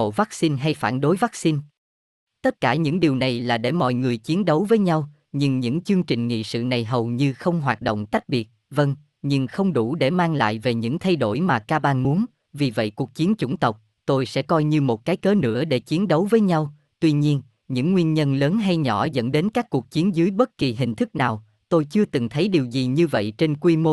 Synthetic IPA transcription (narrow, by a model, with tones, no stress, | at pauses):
o̰˧˨va˦˥k̚si˧nɦa˧jfaː˧˩nɗo˨˦jva˦˥k̚si˧n | t̪ə˦˥t̚kaː˧˩ɲɨ̰˧˥ŋɗi˨˩əwna˨˩jlaː˨˩ɗe˧˩mɔ̰˧˨jŋɨ˨˩əjt͡ɕi˨˦ənɗə˨˦wvəː˨˦jɲa˧w | ɲɨ˧ŋɲɨ̰˧˥ŋt͡ɕɨ˧əŋt͡ɕï˨˩ŋ̟ŋḭ˧˨sɨ̰˧˨na˨˩jɦə˨˩wɲɨ˧xə˧wŋ͡mɦwaː˨˩t̚ɗo̰˧˨wŋ͡mka˦˥k̟̚ɓi˨˩ət̚və˧ŋ | ɲɨ˧ŋxə˧wŋ͡mɗu˧˩ɗe˧˩maː˧ŋla̰ː˧˨jve˨˩ɲɨ̰˧˥ŋt̪ʰa˧jɗo˧˩jmaː˨˩kaː˧ɓaː˧nmu˨˦ən | vi˨˩və̰˧˨jku˨˩ək̚t͡ɕi˨˦ənt͡ɕʊ̰˧˩ŋ͡mt̪ə˨˩wk͡p̚ | t̪o˧jsɛ̰˧˥kɔ˧jɲɨ˧mo˨˩t̚kaː˨˦jkəː˨˦nɨ̰˧˥əɗe˧˩t͡ɕi˨˦ənɗə˨˦wvəː˨˦jɲa˧w | t̪wi˧ɲi˧ən | ɲɨ̰˧˥ŋːwi˧ənɲə˧nləː˨˦nɦa˧jɲɔ̰˧˩zə̰˧˥nɗe˨˦nkaː˦˥k̚ːu˨˩ək̚t͡ɕi˨˦ənzɨ˨˦jɓə˦˥t̚ki˨˩ɦï˨˩ŋ̟t̪ʰɨ˦˥k̚naː˨˩w | t̪o˧jt͡ɕɨ˧ət̪ɨ˨˩ŋt̪ʰə˨˦jɗi˨˩əwzi˨˩ɲɨ˧və̰˧˨jt͡ɕe˧nkwi˧mo˧